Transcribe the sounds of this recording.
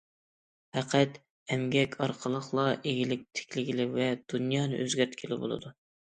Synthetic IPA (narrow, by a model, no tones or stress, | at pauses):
hæqʰɛt̪ | ɛmɡʲɛkʲʰɑɾqʰəlˠəχlˠɑʔeɡʲilɪk̚ʲt̪ʰɪ̥kʲlɪɡʲilɪvɛd̪̥unjɑːnɨ̰ʔøzɡʲæɾt̪kʲʰilɪbo̰lˠɨ̰d̪u